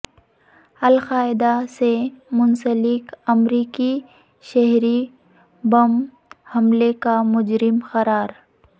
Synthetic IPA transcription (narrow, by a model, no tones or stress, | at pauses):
ɐlqaːɪd̪asemʊnsəlɪkɐmɾiːki | ʃɛɦɾi | bɐm | hɐmlekamʊd͡ʒɾɪmxɐɾaːɾ